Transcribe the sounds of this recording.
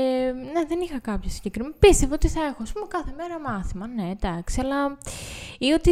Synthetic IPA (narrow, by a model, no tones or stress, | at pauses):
ne̞ðe̞nixɐkɐpçɐsiɲɟekɾimepist̪e̞voot̪iθɐe̞xoɐspumekɐθe̞me̞ɾɐmɐθimɐne̞d̪̥ɐksiɐlɐ | io̞t̪i